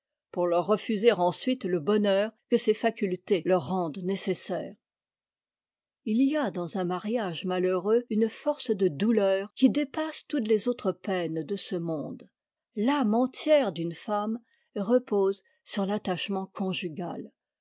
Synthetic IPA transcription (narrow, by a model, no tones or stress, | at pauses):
puʁlœʁːəfyzeʁɑ̃sɥit̪ləbɔnœːʁkəsefakʲylt̪elœʁːɑ̃d̪nesesɛːʁ | ilijad̪ɑ̃zɛ̃maʁjaʒmaləʁøynfɔʁsd̪əd̪ulœːʁkʲid̪epast̪ut̪lezot̪χəpɛnd̪əsəmɔ̃d̪ | lamɑ̃t̪ʰjɛʁd̪ynfam | eʁəpoz | syʁlat̪aʃmɑ̃kʰɔ̃ʒyɡʲa̰l